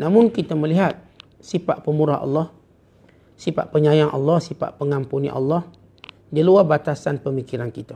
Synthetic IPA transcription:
namʊnkit̪aməliɦat̪̚ | sifaʔpəmuɾaɦɑ̰lːɔh | sipa̰ʔpəɲajaŋʔɑ̰lːɔhsipa̰ʔpəŋampunḭʔɑ̰lːɔh | d͡ʒəluabat̪asanpəmikiɾankit̪a

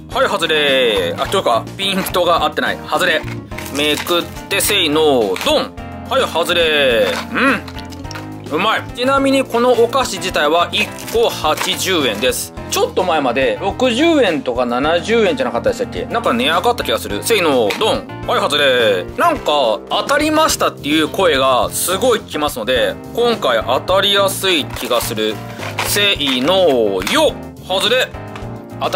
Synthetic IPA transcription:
haihazɨɾeat̪okapʲĩnt̪o̞ɡaʔat̪ːe̞na̰ḭhazɨɾe̞mekɯ̟t̪ːe̞se̞inoːd̪õ̞ŋ | haihazɨɾe̞ɯ̟̃ | ɯ̟maet͡ɕinamʲiɲ̟iko̞no̞ʔːkaɕid͡ʑit̪aiβaʔikːo̞hat͡ɕiʑɨːẽ̞nd̪e̞sɨ̥ | t͡ɕo̞t̪ːo̞maemad̪e̞ɾo̞kɯ̟ʑɨːẽ̞nt̪o̞kananaʑɨːẽ̞ɲ̟d͡ʑanakat̪ːad̪est̪akʲːe̞̰nãŋkane̞aɡat̪ːakʲiɡasɨɾɯ̟se̞inod̪õ̞ɴ̃ | haiɦazɨd̪enãŋkaːt̪aɾʲimaɕi̥t̪at̪ːe̞jɯ̟ːko̞e̞ɡasɨɡo̞ikʲimasɨno̞d̪e̞ | kõ̞ŋkaiʔat̪aɾʲijasɨikʲiɡasɨɾɯ̟ | seinojo | hazɨɾe̞ | at̪

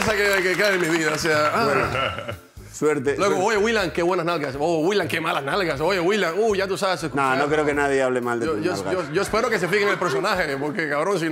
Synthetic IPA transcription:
sakekekeðemiβiðaos̬eaa | sweɾt̪elweɣɣoojewilaŋkeβwe̞nasnalɣasowilaŋkemalasnalɣasojewilaŋuʝat̪usaβesesknonokɾeokenaðjeaβlemald̪eojooʝoespe̞ɾokes̬efiɣeŋelpeɾso̞nahepoɾkekaβɾo̞ns̬in

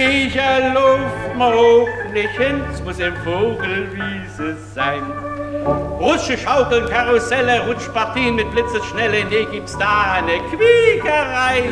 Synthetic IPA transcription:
ɪçəlɔfmaflɪçhənsmʊsɪfoːɡl̩viːzəz̥aɪn | ʁʊsʃəʃaʊkl̩nkʰaʁʊsɛləʁʊt͡ʃt̚paɐtʰiːənmɪt̚b̥lɪt͡səsʃnɛləneːɡ̥iːp̚tsd̥aːaɪnəkʰv̥iːɡəʁaɪ

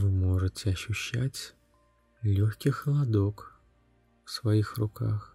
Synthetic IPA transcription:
vɨmoʐɨtʲɪɐɕːʊɕːætʲ | lʲoxʲkʲɪxlˠɐd̪ok | fsvɐixrʊkax

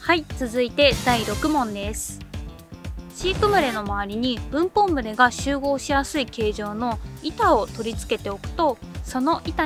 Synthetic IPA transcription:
hait͡sɨzɨit̪e̞d̪aiɾo̞kɯ̟mõ̞nd̪e̞sɨ̥ | ɕiːkɯ̟mɯ̟ɾe̞no̞maβaɾʲiɲ̟ib̥ɯ̟̃mpõ̞mbɯ̟ɾe̞ɡaɕɨːɡo̞ːɕijasɨike̞ːʑo̞ːno̞it̪ao̞t̪o̞ɾʲit͡sɨ̥ke̞t̪e̞o̞kɯ̟̥t̪o̞so̞no̞ʔit̪a

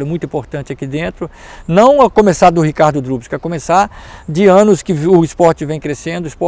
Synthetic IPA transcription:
ɾʊmũj̃t̪ĩpoɾt̪ɐ̃nt͡ʃɪakid̪ẽnt̪ɾʊ | nɐ̃w̃akõmesaɾd̪ʊhikaɾd̪ʊd̪ɾubɪskɐkõmesaɾd͡ʒɪɐ̃nʊskɪʊispɔɾt͡ʃɪvẽj̃kɾesẽnd̪ʊispɔ

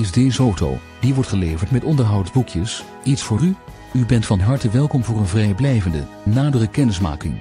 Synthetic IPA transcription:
ɪsdezowto̰w | diʋɔɹtχəlejvəɹtmɛtɔndəɹɦɑwtzbukjəs | itsfʊːry | ybɛntfɑnɦɑɹtəʋɛlˠkɔmvʊːɹənvrɛjblɛjvəndə̰ | naːdərəkɛnɪsma̰ːkɪŋ

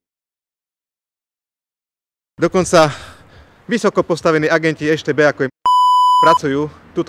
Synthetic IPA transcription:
d̪ɔkɔnt͡sa | ʋisɔkɔpɔst̪aʋɛniːaɡɛnciɛʃt̪ɛːbɛːakɔjɛpɾat͡sujuːt̪uːt̪

